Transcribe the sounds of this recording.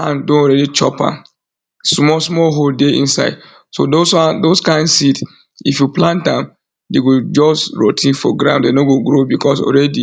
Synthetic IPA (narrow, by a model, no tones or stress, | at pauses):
ãndõnɔɾɛdit͡ʃɔ̰pã̰m | smɔsmɔɦoldeʔḭ̃nsa̰ɪd | so̰dosandoskãɪ̃nsit | ifjuplãntãm | deɡod͡ʒɔstɹo̰tʰĩnfɔ̰ɡɾã̰ʊ̃ndenoɡoɡɾobikʰɔsɔ̰lɹɛdi